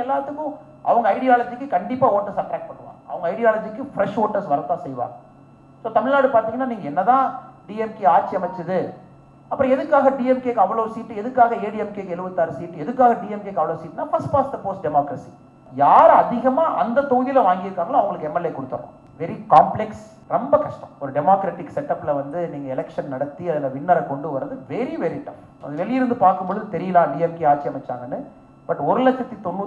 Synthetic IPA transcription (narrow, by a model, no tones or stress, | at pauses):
ɛlːaːt̪ːɯkːʊ̃ | ʔɐ̰ʋɐŋɡɐɐɪɽɪjaːlɐd͡ʒɪkːɯkɐɳɖɪpːaːoːʈːɐɾsɐʈɾaːk̚ʈ̚pɐɳːɯʋa̰ːɡɐ̰ʋɐŋɡɐɪɽɪjaːlɐd͡ʒɪkːɯfɪɾɛʂoːʈːɐɾsʋɐɾɐt̪ːãːsɛjʋa̰ː | soːt̪ɐmɪɭnaːɽɯpaːɾt̪iːŋɡɐnːaːniːŋɡɐɛnːɐt̪ãːɖiːɛmkeːaːɾt͡ʃːiɐmɛt͡ʃːɯðɯ | ɐpːɯɾɔ̃ɛðɯkːaːɣɐɖiːɛmkeːkːɐʋɐɭoːsiːʈːɯɛðɯkːaːɣɐeːɽiɛmkeːkːɛlɯʋɐt̪ːaːɾɐsiːʈːɯɛðɯkːaːɣɐɖiːɛmkeːkːɐʋɐɭoːsiːʈːɯnaːfɐɾsʈpaːsd̪ɐpoːsɖɛmoːkɾɐsi | jaːɾɐðɪɣɐmaːʔɐ̰nd̪ɐt̪ɔːjɪlɐʋaːŋɡɪɾkːaːŋɡɐlãːɐʋɐŋɡɐɭɯkːɛmːɛleːkɔɽɯt̪ːɐɾõ̰ | ʋɛɾikaːmplɛks | ɾɔmbɐkɐʂʈɐ̃mɔɾɯɖɛmaːkɾɐʈɪksɛʈːɐpːɪlɐʋɐnd̪ɯniːŋɡɐɛlɛkʂɐnnɐɽɐt̪ːiɐðɪlɐʋɪnːɐɾɐkɔɳɖɯʋɐɾrːɐðɯʋɛɾiʋɛɾɪʈːɐ̃ | ɐ̰ðɯʋɛɭɪjɪɾɯnd̪ɯpaːɾkɯmbɔɭɯðɯt̪ɛɾɪjɐlaːɖiːɛmkeːaːt͡ʃːɪɐmɛt͡ʃːa̰ːŋɡɐnːɯ | b̥ɐʈːɔɾɯlɛkt͡ʃɐt̪ːit̪ɔnːuː